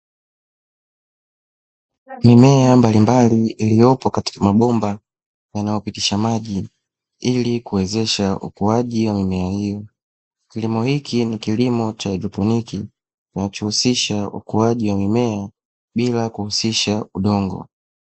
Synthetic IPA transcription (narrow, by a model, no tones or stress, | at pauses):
mimɛambalimbaliilijɔpɔkati̥kamaɓɔmba | janajɔpitiʃamaʄi | ilikuwɛzɛʃaṵkuaʄiwamimɛahijɔ | kilimɔhikʰinikilimɔt͡ʃaɛdɔpɔniki | kinat͡ʃɔhusiʃaṵkuaʄiwamimɛa | ɓilakuhusiʃauɗɔŋɡɔ̰